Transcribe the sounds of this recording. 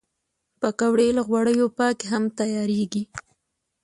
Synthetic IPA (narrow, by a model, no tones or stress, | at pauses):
pəkawɽelaɣwaɽəjopɑkeɦamt̪ajɑɾeɡi